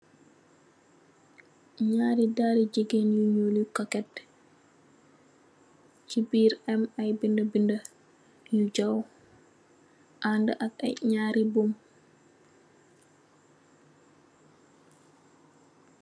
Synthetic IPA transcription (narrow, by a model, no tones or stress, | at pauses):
ɲaːɾidaːɾid͡ʒiɡenjuɲulikakɛt | t͡ʃibiɾɛmajbindabinda | jud͡ʒaw | ʔandaʔaka̰ɲaːɾibum